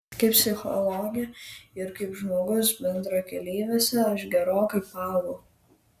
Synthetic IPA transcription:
kɐɪpʲsʲɪxɔ̰lˠoːɡʲɪjɛɪɾkɐɪpʒmoːɡʊsbʲɛnd̪ɾoːkʲɛlʲiːʋʲeːsʲɛɐʃɡʲɛɾoːkɐɪpɑːʋo

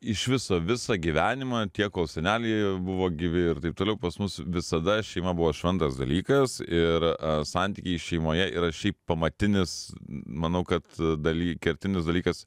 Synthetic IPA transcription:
ɪʃʋʲɪsoːʋʲɪsɐɡʲiʋʲæːnʲɪmɐt̪ʲiɛkkoːlˠsʲɛnʲæːlʲɛbʊʋoːɡʲiʋʲɪɪɾt̪ɐɪp̚t̪oːlʲɛʊpɐsmʊsʋʲɪsɐd̪ɐʃʲɛɪmɐbʊʋoːʃʲʋʲɛnt̪ɐsd̪ɐlʲiːkɐsɪɾsɑnʲt̪ʲiːkʲɛɪʃʲɛɪmoːjɛɪ̰ɾɐʃʲɛɪppɐmɐt̪ʲɪnʲɪsmɐnɐʊkɐt̪d̪ɐlʲiːkʲɛɾʲt̪ʲɪnʲɪsd̪ɐlʲiːkɐs

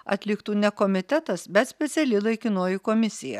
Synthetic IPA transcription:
ɐ̰t̪ʲlʲɪkt̪uːnʲɛkoːmʲɪt̪ʲɛt̪ɐsbʲɛt̪sʲpʲɛt̪sʲɛlʲɪlˠɐɪkʲɪnoːjɪkoːmʲɪsʲɪjɛ̰

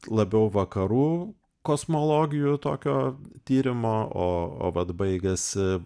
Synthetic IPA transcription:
lˠɐbʲɛʊʋɐkɐɾuː | koːsmoːlˠoːɡʲɪjut̪o̰ːkʲoːt̪ʲiːɾʲɪmoːoːo̰ːʋɐt̪bɐɪɡʲɛsʲɪ

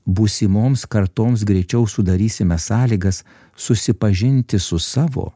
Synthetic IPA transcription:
busʲimoːmskɐɾt̪oːms̬ɡɾʲɛɪt͡ʃʲɛʊsʊd̪ɐɾʲiːsʲɪmʲɛsɑːlʲiːɡɐsː | ʊsʲɪpɐʒʲɪnʲt̪ʲɪsʊsɑːʋo̰ː

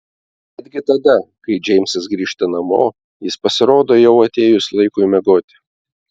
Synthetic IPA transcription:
ɛd̪ʲɡʲɪt̪ɐd̪ɐkɐɪd͡ʒʲɛɪmʲsɐsɡɾʲiːʃt̪ɐnɐmo̰ː | jɪspɐsʲɪɾoːd̪oːjɛʊɐt̪ʲeːjʊslˠɐɪkʊɪmʲɛɡoːt̪ʲɪ̥

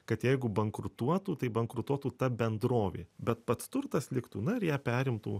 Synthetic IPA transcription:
kɐt̪jɛɪɡʊbɐŋkɾʊt̪uɔt̪uːt̪ɐɪbɐŋkɾʊt̪uɔt̪uːt̪ɐbʲɛnd̪ɾoːʋʲḛːbʲɛt̪pɐt̪st̪ʊrt̪ɐslʲɪkt̪uːnɐɪɾjæːpʲæːɾʲɪmt̪ṵː

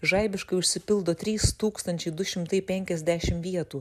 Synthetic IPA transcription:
ʒɐɪbʲɪʃkɐɪʊʃʲsʲɪpʲɪlˠd̪oːt̪ʲɾʲiːst̪uːkst̪ɐnʲt͡ʃʲɛɪd̪ʊʃʲɪmt̪ɐɪpʲɛŋʲkʲɛzʲd̪ʲæːʃʲɪmʋʲiɛt̪uː

